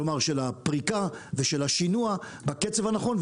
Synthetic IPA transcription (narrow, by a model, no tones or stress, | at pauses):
omaʁʃelapʁikaveʃelaʃinua | baket͡sevhanaχo̞nv